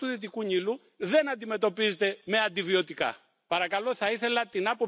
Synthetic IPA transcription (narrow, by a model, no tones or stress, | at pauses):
uðit̪̬ikuɲilu | ðe̞nɐnd̪ime̞t̪o̞pizet̪e̞me̞ɐnd̪ivio̞t̪ikɐ̰ | pɐɾɐkɐlo̞θɐiθe̞lɐt̪inɐpop